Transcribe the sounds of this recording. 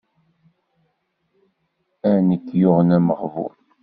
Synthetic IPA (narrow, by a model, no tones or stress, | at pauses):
ænit̪ːjʊʁənæməʁvʊ̰ɾ